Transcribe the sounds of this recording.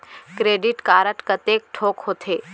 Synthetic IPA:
kɾeːɖɪʈkaːɾəʈkət̪eːk̚ʈʰoːkɦoːt̪ʰeː

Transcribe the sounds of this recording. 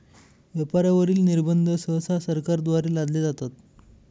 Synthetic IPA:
ʋjepaɾjaʋəɾiːlniɾbənd̪ʱəsəsasəɾkaɾd̪ʋaɾeːlad̪led͡zat̪at̪̚

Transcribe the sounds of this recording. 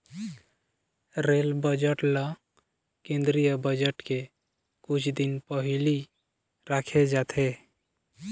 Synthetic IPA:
ɾelbəd͡ʒəʈlɔ̃ | kẽnd̪ɾijəbəd͡ʒəʈke | kut͡ʃʰd̪inpəɦili | ɾakʰed͡ʒat̪ʰe

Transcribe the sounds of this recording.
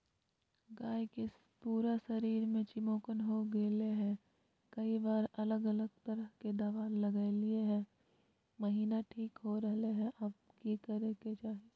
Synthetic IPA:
ɡaːjke | puːɾasɐɾiːɾmẽt͡ʃɪmoːkənɦoɡeːleɦɛ̃ | kɐibaːɾɐləɡɐləɡ̚t̪ɐɾəɦked̪aːʋaːnlɐɡaːelɪeɦɛ̃ | məɦiːnaʈʰiːkɦoɾɐɦleɦɛ̃ʔab̚kikɐɾeket͡ʃaːɦe

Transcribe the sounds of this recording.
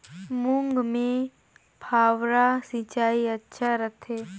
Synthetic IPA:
mʊŋɡmẽ | bʰʱaːʋɾasĩt͡ʃaːiɐtːʃʰaɾət̪ʰeː

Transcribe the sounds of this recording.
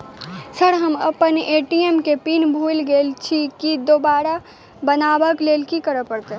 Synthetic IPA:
səɽɦəmə̰pəneːʈiemkepiːnbʱuːlɡeːlt͡ʃʰikid̪oːbaːɾa | bənaːbəkleːlkikəɾəpəɽt̪e

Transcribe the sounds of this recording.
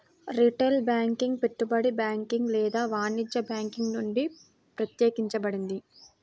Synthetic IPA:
ɾiʈelbjaːŋkiŋɡpe̞ʈːubɐɽibjaːŋkiŋɡlɛːd̪aːʋaːnid͡ʒɐbjaːŋkiŋɡnuɳɖi | pɾɐt̪jeːkiɲt͡ʃɐbɐɽind̪i

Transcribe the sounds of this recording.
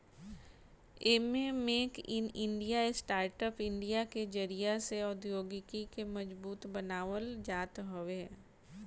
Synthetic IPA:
eːmemeːkɪ̃nɪ̃ɳɖijaesʈaːɾʈəpɪ̃ɳɖijaked͡ʒəɾijaseɔːd̪joːɡɪkikemɐd͡ʒbuːt̪bɐnaːʋəld͡ʒaːt̪ɦoʋe

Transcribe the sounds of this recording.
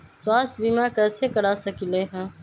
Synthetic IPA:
swaːst̪ʰbiːmaːkəsekəɽaːsəkileːɦãː

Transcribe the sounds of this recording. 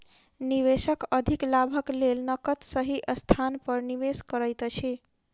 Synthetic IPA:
niʋesəkəd̪ʱiklabʱəklelnʌkət̪səɦiʔəst̪ʰanpəɾniʋeskəɾəjt̪t͡ʃʰi

